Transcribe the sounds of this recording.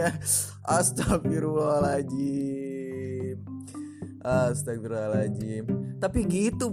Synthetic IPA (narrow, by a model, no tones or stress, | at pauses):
a | ʔast̪afiɾualad͡ʒi | ʔast̪akfiɾalad͡ʒit̪apiɡit̪u